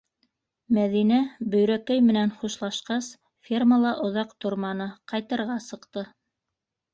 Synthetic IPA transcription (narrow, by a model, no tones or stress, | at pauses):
mæðinæbɵ̆jɾækæjmɘ̆nænχuʃlˠɑʃqɑs | fʲirməlˠɑʔŏðɑqt̪ŏɾmɑnɤqɑjt̪ɤ̆ɾʁɑsɤ̆qt̪ɤ